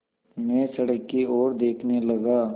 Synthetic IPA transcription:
mɛ̃ːsɐɽəkːioːɾd̪eːkʰnelɐɡaː

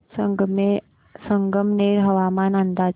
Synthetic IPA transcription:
əŋɡme | sə̃ŋɡəmneːɾɦɐʋaːmaːnənd̪aːd͡ʒ

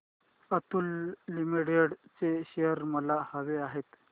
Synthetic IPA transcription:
ət̪ulːimiɽeɽt͡seɕejəɾməlahəʋeaɦet̪

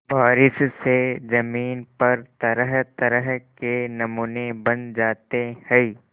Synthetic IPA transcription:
baːɾɪssed͡ʒɐmiːnpɐɾt̪ɐɾəɦt̪ɐɾəɦkenɐmuːnebɐnd͡ʒaːt̪ehɛ

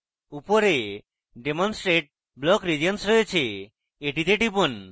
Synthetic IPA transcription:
upɔɾe | ɖemɔnsʈɾeʈ̚ | blɔkɾid͡ʒɔnsɾɔet͡ʃʰeː | ʈit̪eʈipɔn

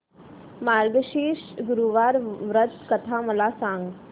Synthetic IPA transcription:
maɾɡɕiːɕɡuɾuʋaɾʋɾət̪kət̪ʰaməlasãŋɡ

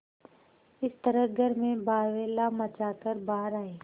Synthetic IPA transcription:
ɪst̪əɾəɡʱəɾmẽbaːʋeːlamɐt͡ʃaːkəɾbaːɾaːeː

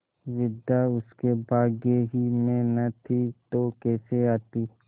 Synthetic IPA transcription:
ʋɪd̪aʊskebaːɡeɦimẽnɐt̪ʰit̪okɛːseaːt̪iː

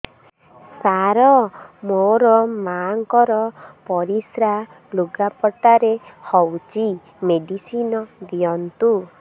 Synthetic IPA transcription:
saɾɔmoɾɔmaŋkɔɾɔpɔɾisɾa | luɡapɔʈaɾehɔwt͡ʃi | meɖisinɔd̪iɔnt̪u

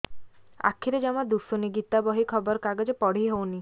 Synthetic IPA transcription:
a̰kʰiɾed͡ʒamad̪usuniɡit̪abɔɦikʰɔbɔɾkaɡɔd͡ʒɔpɔɽ̤iɦowni

